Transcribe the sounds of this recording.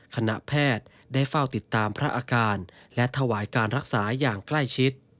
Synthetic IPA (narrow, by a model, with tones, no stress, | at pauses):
kʰa˧na̰˨˩pʰɛː˥˩t̪̚ | daː˥˩jfa˥˩wt̪i˨˩t̪ːaː˧mpʰɾa˦˥ʔaː˧kaː˧nlɛ˦˥t̪ʰa˧waː˩˦jkaː˧nɾa˦˥k̚saː˩˦jaː˨˩ŋkla˥˩jt͡ɕʰi˦˥t̪̚